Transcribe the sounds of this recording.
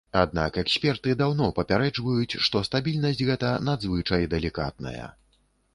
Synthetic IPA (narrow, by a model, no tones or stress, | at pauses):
ad̪̚na̰kɛksʲpʲɛrt̪ɨd̪awnɔpɐpʲaɾɛd͡ʐvɐjut͡sʲʂt̪ɔst̪abʲilʲnɐsʲtʲɣɛt̪ɐnad̪zvɨt͡ʂɐjd̪ɛlʲika̰t̪̚nɐ̰jɐ̰